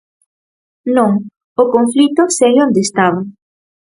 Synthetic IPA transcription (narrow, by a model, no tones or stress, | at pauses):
nõŋ | okoɱflit̪osɛlond̪est̪aβa